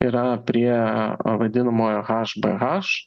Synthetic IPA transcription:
iɾɐpʲɾʲiɛʋɐd̪ʲɪnɐmoːjoɣɑːʃbɛ̰ɣɑʃ

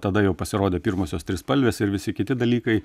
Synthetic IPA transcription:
t̪ɐd̪ɐjɛʊpɐsʲɪɾoːd̪ʲeːpʲɪɾmoːsʲoːst̪ʲɾʲɪspɐlʲʋʲeːsɪɾʋʲɪsʲɪkʲɪt̪ʲɪd̪ɐlʲiːkɐɪ

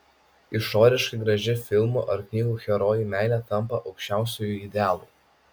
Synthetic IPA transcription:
ɪʃoːɾʲɪʃkɐɪɡɾɐʒʲɪfʲɪlˠmṵʔɐɾknʲiːɡuːxʲɛɾoːjimʲæˑɪlʲɛːt̪ɐmpɐʔɒʊkʃʲt͡ʃʲæˑʊsʲuːjuːˑɪd̪ʲɛæːlˠuːˑ

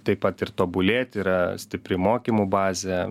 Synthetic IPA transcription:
t̪ɐɪpɐt̪ɪrt̪oːbʊlʲeːt̪ʲiːɾɐsʲt̪ʲɪpʲɾʲɪmoːkʲimubɑːzʲɛ

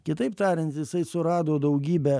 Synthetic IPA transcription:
kʲɪt̪ɐɪpt̪ɑːɾʲɪnʲt̪jɪsɐɪsʊɾɑːd̪oːd̪ɐʊɡʲiːbʲɛ

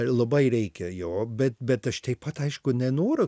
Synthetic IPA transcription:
lˠɐbɐɪɾʲɛɪkʲɛjoːbʲɛt̪bʲɛt̪ɐʃt̪ɐɪpɐt̪ɐɪʃkʊnʲɛnoːɾʊ

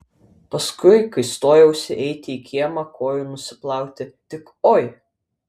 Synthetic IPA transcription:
pɐskʊɪkɐɪst̪oːjɛʊsʲɪʔɛɪt̪ʲɪiːkʲiɛmɐkoːjunʊsʲɪplˠɑˑʊkt̪ʲɪt̪ʲɪk | oːj

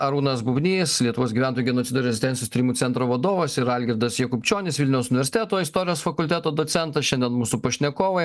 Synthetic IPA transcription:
ɐɾuːnɐsbʊbʲnʲiːslʲiɛt̪ʊʋoːsɡʲiʋʲæːˑnt̪oːjuɡʲɛnoːt̪ʲɪd̪oːɾʲɛzʲɪst̪ʲɛnʲjoːst̪ʲiːɾʲimuːsʲɛnt̪ɾoːʋɐd̪oːʋɐsɪɾɐlʲɡʲɪɾd̪ɐsjɛkʊpʲt͡ʃʲoːnʲɪsʋʲɪlʲnʲɛʊsʊnʲɪʋʲɛɾʲsʲɪt̪æːt̪oːɪst̪oːɾʲɪjoːsfɐkʊlʲt̪ʲæt̪oːd̪oːsʲɛnt̪ɐsʃʲɛnʲd̪ʲɛnmuːsupɐʃʲnʲɛkoːʋɐ

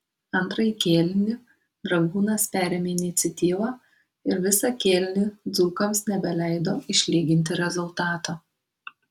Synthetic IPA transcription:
ɐnt̪ɾɐjkʲeːlʲnʲɪ | d̪ɾɐɡuːnɐspʲæːɾʲeːmʲeːɪnʲɪt̪sʲɛt̪ʲiːʋɑː | ɪɾʋʲɪsɑkʲeːlʲɪnʲɪd̪zuːkɐmsnʲɛbʲɛlʲɛɪd̪oːɪʃʲlʲiːɡʲɪnʲt̪̬ʲɪɾʲɛzʊlˠt̪ɑːt̪oː

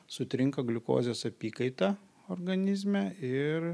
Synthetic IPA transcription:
sʊt̪ʲɾʲɪŋkɐɡlʲʊko̰ːzʲjoːsɐpʲiːkɐɪt̪ɐ | oɾɡɐnʲɪzʲmʲæɪɾ

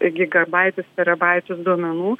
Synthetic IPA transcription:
ɡʲɪɡɐbɐɪt̪ʲʊstʲɛɾɐbɐɪt̪ʲʊsd̪uɔmʲɛnuː

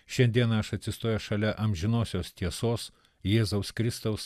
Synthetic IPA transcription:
ʃʲɛnʲd̪ʲiɛnɐɐʃɐt̪ʲsʲɪst̪oːjɛʃɐlʲɛʔɐmʲʒʲɪnoːsʲoːst̪ʲiɛsoːs | jeːzɐʊskɾʲɪst̪ɐʊs

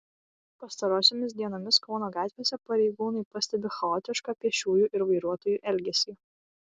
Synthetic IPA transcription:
pɐst̪ɐɾoːsʲoːmʲɪsd̪ʲiɛnoːmʲɪskɔʊnoːɡɑːt̪ʲʋʲeːsʲɛpɐɾʲɛɪɡuːnɐɪpɐsʲt̪ʲɛbʲɛxɐɔːt̪ʲɪʃkɑːpʲiɛʃʲuːjuːʔɪɾʋɐɪɾuɔt̪oːjuːʔɛlʲɡʲɛsʲiː

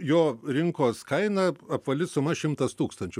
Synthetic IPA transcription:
joːɾʲɪŋkoːskɐɪnɐɐpʋɐlʲɪsʊmɐʃʲɪmt̪ɐst̪uːkst̪ɐnʲt͡ʃʲʊ

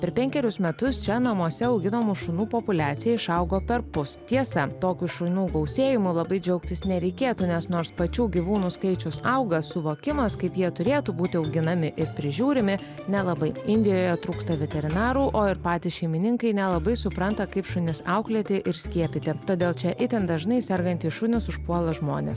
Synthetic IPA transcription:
pʲɛɾpʲɛŋʲkʲɛɾʲʊsmʲɛt̪ʊst͡ʃʲɛnɐmuɔsʲɛɐʊɡʲɪnoːmʊʃʊnuːpopʊlʲæːt̪sʲɪjɛɪʃɐʊɡoːpʲɛɾpʊst̪ʲiɛsɐt̪oːkʲuʃʊnʲuːɡɐʊsʲeːjɪmʊlˠɐbɐɪd͡ʒʲɛʊk̚t̪ʲɪsnʲɛɾʲɛɪkʲeːt̪uːnʲɛsnoːɾspɐt͡ʃʲuːɡʲiʋuːnuːskɐɪt͡ʃʲʊsɐʊɡɐsʊʋoːkʲɪmɐskɐɪpjiɛt̪ʊɾʲeːt̪uːbuːt̪ʲɪɒʊɡʲɪnɐmʲɪʔɪɾpʲɾʲɪʒʲuːɾʲɪmʲɪ | nʲɛlˠɐbɐɪɪnʲd̪ʲɪjoːjɛt̪ɾuːkst̪ɐʋʲɛt̪ʲɛɾʲɪnɑːɾuːʔoːɪɾpɑːt̪ʲɪʃʲɛɪmʲɪnʲɪŋkɐɪnʲɛlˠɐbɐɪsʊpɾɐnt̪ɐkɐɪpʃʊnʲɪsɑʊklʲiɛt̪ʲɪʔɪɾsʲkʲiɛpʲɪt̪ʲɪt̪oːd̪ʲeːlˠt͡ʃʲɛʔɪt̪ʲɛnd̪ɐʒnɐɪsʲɛɾɡɐnʲt̪ʲiːʃʊnʲɪsʊʃpuɔlˠɐʒmo̰ːnʲḛːs

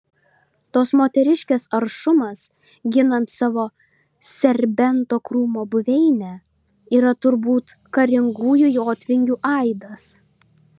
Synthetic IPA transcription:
t̪oːsmoːt̪ʲɛɾʲɪʃʲkʲɛsɐɾʃʊmɐs | ɡʲɪnɐnt̪sɑːʋoː | sʲɛɾʲbʲɛnt̪oːkɾuːmoːbʊʋʲɛɪnʲɛ | iːɾɐt̪ʊɾbuːt̪ | kɐɾʲɪŋɡuːjʊjoːt̪ʲʋʲɪŋʲɡʲuːʔɐɪd̪ɐs

